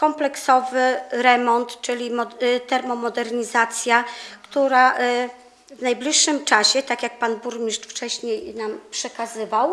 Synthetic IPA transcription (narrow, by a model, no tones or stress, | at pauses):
kɔmplɛksɔvɘɾɛmɔnt̪t͡ʂɘlʲimɔt̪ɛɾmɔmɔd̪ɛɾɲizat̪sʲjakt̪uɾa | vnajblʲiʂːɘmt͡ʂaɕɛt̪akʲjak̚panbuɾmʲiʂt͡ʂft͡ʂɛɕɲejnampʂɛkazɘvaw